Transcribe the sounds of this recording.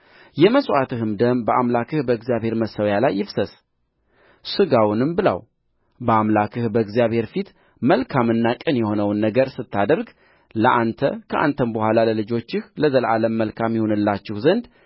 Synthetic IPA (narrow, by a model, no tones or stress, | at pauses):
jɛməsʔat̪ʰɨhɨmd̪əmbəʔamlakʰɨhbəɨɡzijaβhe̞ɾməsəwjalajːɪfsəs | sɨɡawnɨmbɨla̰w | bəamlakʰɨhbəɨɡzijaβhe̞ɾfit̪ | məlkʰamɨnːakʼɨnjɛho̞nəwnːəɡəɾsɨt̪ʰːad̪əɾɡ | ləʔant̪ʰə̰kʰəʔa̰nt̪ʰənbəhʷalaləlɨd͡ʒo̞t͡ʃːɪhləzəlʔaləmːəlkʰamjɪho̞nɨlːat͡ʃːɪhzənd̪